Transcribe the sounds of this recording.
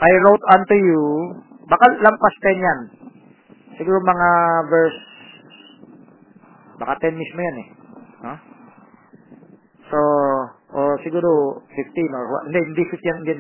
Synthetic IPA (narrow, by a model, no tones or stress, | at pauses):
ʔajɹowt̪ant̪uju | bakalɐmpast̪ɛnjan | sɪɡuːɾomɐŋavɛɹs | bakat̪ɛnmismojanɛno | soʔosɪɡuːɾofɪft̪inoɹwa̰nd̪ɛɪnd̪ifift̪jannd̪i